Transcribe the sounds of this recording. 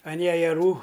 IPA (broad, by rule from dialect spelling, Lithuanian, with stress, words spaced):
ɐn jɛjɛˈruː